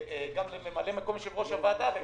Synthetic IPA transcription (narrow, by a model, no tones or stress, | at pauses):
eɡamlememalemako̞mʃelʁo̞ʃavad̪ave